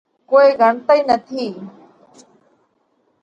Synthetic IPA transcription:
koːeːɡʱəɳt̪əiːnət̪ʰiː

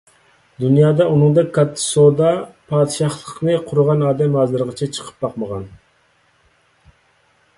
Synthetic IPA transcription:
d̪unjɑːd̪ɑunɨŋd̪ɛkʲkʰːɑt̪ʰːɨ̥sod̪ɑpʰɑːd̪ɨʃɑχlˠəqnɨqʰʊɾʊʁɑnɑːd̪ɛmɑzɨɾʁət͡ʃʰɛt͡ʃʰə̥qʰə̥p̚bɑqməʁɑn

